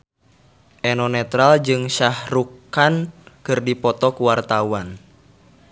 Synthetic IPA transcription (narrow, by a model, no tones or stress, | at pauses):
ʔɛnɔnɛt̪ɾald͡ʒɨŋʃahɾukankɨrdipɔt̪ɔkuwart̪awan